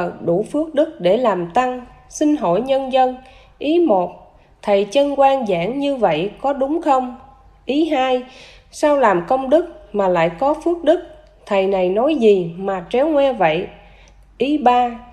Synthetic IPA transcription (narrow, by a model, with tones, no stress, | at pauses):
ə˨˩t̚ɗu˧˩fɨ˦˥ək̚ɗɨ˦˥k̚ɗe˧˩laː˨˩mt̪a˧ŋ | si˧ŋ̟ɦo̰˧˩˨jɲə˧nzə˧n | ʔi˨˦mo˨˩t̚ | t̪ʰə˨˩jt͡ɕə˧nkwaː˧nza̰ː˧˥ŋɲɨ˧və̰˧˨jkɔ˨˦ɗʊ˨˦ŋ͡mxə˧wŋ͡m | ʔi˨˦ɦaː˧j | saː˧wlaː˨˩mkə˧wŋ͡mɗɨ˦˥k̚maː˨˩la̰ː˧˨jkɔ˨˦fɨ˦˥ək̚ɗɨ˦˥k̚ | t̪ʰə˨˩jna˨˩jnɔ˨˦jzi˨˩maː˨˩t͡ɕɛ˨˦wŋwɛ˧və̰˧˨j | ʔi˨˦ɓaː˧